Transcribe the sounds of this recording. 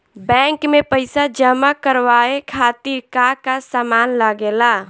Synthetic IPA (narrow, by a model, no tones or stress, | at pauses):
bɛ̃ŋkmepəɪsad͡ʒəmakəɾʋaekʰat̪iɾkakasamanləɡela